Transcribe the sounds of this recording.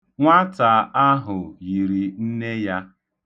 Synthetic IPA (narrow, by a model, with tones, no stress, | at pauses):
ŋʷa˦ta˨a˦ɦʊ˨ji˨ɾi˨n̩˦ne˦ja˦